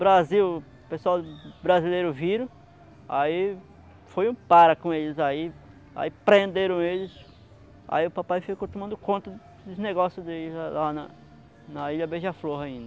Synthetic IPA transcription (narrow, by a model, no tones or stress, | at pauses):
bɾaziw | pesuaw̪bɾazilejɾʊviɾɐ̃ | a̰i | fojũpaɾɐkõelɪzai | a̰ipɾẽnd̪eɾɐ̃w̃elɪs | a̰iʊpapajfikot̪omɐ̃nd̪ʊkõnt̪ɐ | d̪ʊzneɡɔsjʊd̪elɪzalanɐ | nɐiʎɐbeʒɐfloɦɐĩnd̪ɐ